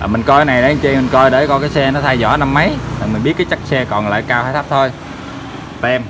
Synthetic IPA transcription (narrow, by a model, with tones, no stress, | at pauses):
ʔəː˨˩mï˨˩ŋ̟kɔ˧kːjna˨˩jɗa˨˦˧t͡ɕe˧mi˨˩ŋ̟kɔ˧jɗe˧˩kɔ˧kaː˨˦jsɛ˧nɔ˨˦t̪ʰa˧jzɔ̰˧˩˦na˧mːə˨˦jmaː˨˩mi̟˨˩ɓi˦˥ət̚kaː˨˦t͡ɕa˦˥k̚sɛ˧kɔ˨˩nla̰ː˧˨jkaː˧whaː˧˦j̪ʰa˦˥p̚t̪ʰo˧j | t̪ɛ˧m